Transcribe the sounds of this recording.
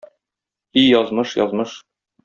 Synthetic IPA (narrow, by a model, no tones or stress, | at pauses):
ijɒzmɤʃjɒ̰zmɤʃ